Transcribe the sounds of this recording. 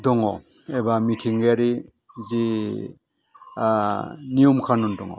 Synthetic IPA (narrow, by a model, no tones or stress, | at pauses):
dɔŋɔ | ebamitʰiŋɡeaɾi | zi | nijɔmkʰanundɔŋɔ̰